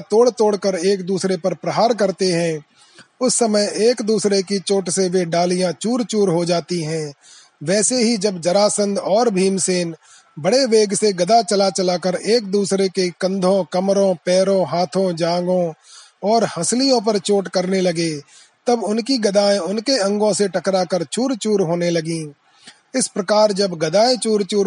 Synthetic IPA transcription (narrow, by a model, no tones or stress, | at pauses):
t̪oːɽt̪oːɽkəɾeːk̚d̪uːsɾepɐɾpɾəɦaːɾkɐɾt̪eɦɛ̃ː | ʊsːɐməjeːkd̪uːsɾekit͡ʃoːʈseʋeɖaːlijãt͡ʃuːɾt͡ʃuːɾɦod͡ʒaːt̪iɦɛ̃ː | ʋɛːseɦid͡ʒɐbd͡ʒɐɾaːsə̃nd̪ɔːɾbʱiːmseːn | bɐɽeʋeːɡseɡɐd̪at͡ʃɐlat͡ʃɐlakəɾeːk̚d̪uːsɾekekɐ̃nd̪ʱõkɐmɾõpɛːɾõɦaːt̪ʰõd͡ʒãːŋɡõ | ɔːɾhɐslijõp̬əɾt͡ʃoːʈkɐɾnelɐɡe | t̪ɐbʊnkiɡɐd̪aːẽʊnkeɐ̃ŋɡõseʈɐkɾakəɾt͡ʃuːɾt͡ʃuːɾɦoːnelɐɡĩː | ɪspɾɐkaːɾd͡ʒɐbɡɐd̪aːẽt͡ʃuːɾt͡ʃuː